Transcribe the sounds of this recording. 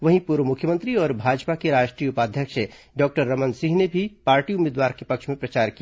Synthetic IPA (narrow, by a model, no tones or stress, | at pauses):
ʋɐɦĩpuːɾʋəmʊkʰjəmə̃nt̪ɾiɔːɾbʱaːd͡ʒpakeɾaːʃʈɾijəʊpaːd̪ʱjəkʃe | ɖɔːk̚ʈəɾːɐmə̃nsĩɦnebʱipaːɾʈiʊmeːd̪ʋaːɾkepɐkʃmẽpɾɐt͡ʃaːɾki